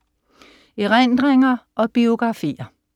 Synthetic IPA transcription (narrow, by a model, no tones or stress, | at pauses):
iʁend̥ʁeŋɐʔɒ̽b̥io̝ɡ̥ʁɑ̈fḭːɐ